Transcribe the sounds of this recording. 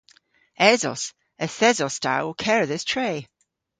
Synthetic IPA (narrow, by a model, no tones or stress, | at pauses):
ɛzɔ̰s | əθɛzɔstʰa̰wkʰɛɹəðɪstʰɹ̥eː